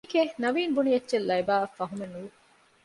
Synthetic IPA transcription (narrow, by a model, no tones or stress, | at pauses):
kenɐʋiːnbunijɐtːʃelːɐjbaːɐfːɐɦumenuː